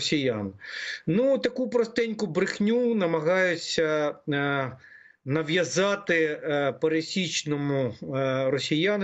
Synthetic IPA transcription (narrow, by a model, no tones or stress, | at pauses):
sʲijannut̪ɐkupɾɔst̪ɪnʲkʊbɾɪxnʲunɐmɐɦɑjʊt͡sʲːɐ | nɐʋjɐzɑt̪ɪpɐɾesʲit͡ʃnɔmʊrɔsʲijan